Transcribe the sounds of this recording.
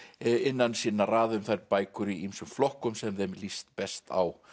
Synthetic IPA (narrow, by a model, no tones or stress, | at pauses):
ɪnːansiːnaraːðʏmθajɾpaːjkʏɾiimsʏmflɔhkʏmsɛmðejmlist̪̚pɛst̪a̰w